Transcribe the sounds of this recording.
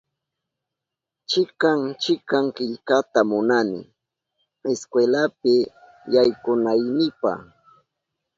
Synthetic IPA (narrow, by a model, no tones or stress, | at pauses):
t͡ʃɪkaŋt͡ʃɪkaŋkɪʎkat̪amʊnanɪ̰ | eskwelapɪ | jajkʊnajnɪpa̰